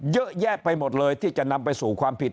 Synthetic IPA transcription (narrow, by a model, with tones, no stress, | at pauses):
jɤ˦˥ʔjɛː˥˩k̚pa˧jmo˨˩t̪̚lɤː˧jt̪ʰiː˥˩t͡ɕa˨˩ʔna˧mpa˧jsuː˨˩kʰwaː˧mpʰi˨˩t̪